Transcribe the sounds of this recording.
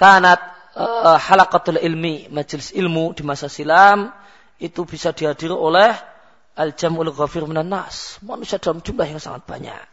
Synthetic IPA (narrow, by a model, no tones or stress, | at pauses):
t̪anat̪̚ | ħalakat̪alɪlmimad͡ʒlɪsɪlmudimasasilam | ʔit̪ubisadiɦadiɾolɛh | ald͡ʒamʔalɣafirmɪnanːa̰smanusiadalamd͡ʒumblahjaŋsa̰ŋa̰t̪̚b̥a̰ɲa̰ʔ